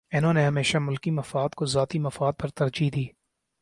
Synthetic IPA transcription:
ɪnõːneɦɐmeːʃamʊlkimɐfaːd̪kozaːt̪imɐfaːd̪̚pɐɾt̪ɐɾd͡ʒid̪iː

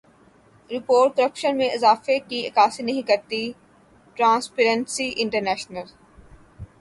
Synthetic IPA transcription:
ɾɪpoːʈ̚kɐɾəpʃənmẽɪzaːfekiɐkaːsinɐɦĩkɐɾt̪i | ʈɾãːnspeɾə̃nsiʔɪ̃ɳʈəɾnɛːʃnəl

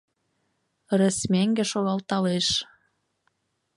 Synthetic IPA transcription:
rĕsmæŋɡĕʃoɣɑlt̪ɑleʃ

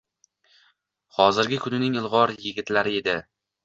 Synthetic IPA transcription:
χɒzɪɾɡʲɪkʰʊnɪnɪŋɪlˠʁɒɾjɪɡʲɪt̪laɾɪe̞d̪ɪ

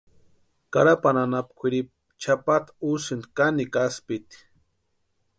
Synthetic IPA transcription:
ka̰ɾapananapkʷʰiɾip̚ | t͡ʃʰapat̪usɨnd̪kanikaspit̪

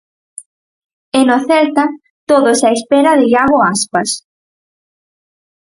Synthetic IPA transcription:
ɛnoθɛlt̪ɐ | t̪oðʊsaespɛɾɐðɪʎaɣoaspɐs

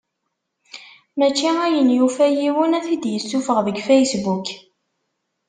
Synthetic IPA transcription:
mæt͡ʃːiæjənjufæjiwənæθid̪jəsːufəʁðəɡfæjsbuk

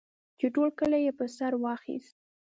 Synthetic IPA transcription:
t͡ʃeʈolkəlajepəsaɾwɑxḭst̪̚

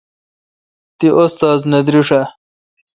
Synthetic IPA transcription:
t̪iʔost̪aːznɐd̪ɾiʂɐ

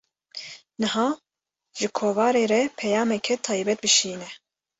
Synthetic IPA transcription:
nɨhɑː | ʒɨkʰoːvɑːɾeːɾɛpʰɛjaːmɛkʰɛt̪ʰɑːjbɛt̪̚bɨʃiːnɛ

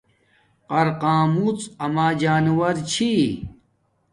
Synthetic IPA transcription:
qɐɾqaːmut͡sɐmaːd͡ʑaːnuwɐɾt͡ɕʰi

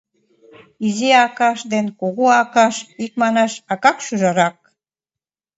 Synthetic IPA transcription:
izeɑkɑʃd̪enkoɣoɑkɑʃik̚mɑnɑʃɑkɑkʃyʒɑɾɑk̚

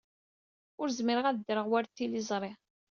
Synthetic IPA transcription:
ʊɾzmiɾəʁæðd̪ɾəʁwæɾt̪ːilizˤɾˤe

